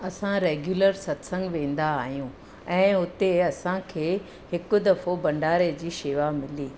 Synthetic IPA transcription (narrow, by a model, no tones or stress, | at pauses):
ɐsãɾeːɡjuːləɾsɐt̪sɐ̃ŋɡʋẽːn̆d̪aːɦijũː | ɛ̃ːʊt̪eɐsãkʰeː | hɪkʊ̆d̪ɐfobɐ̃ɳɖaːɾed͡ʑiːʃeːʋamɪliː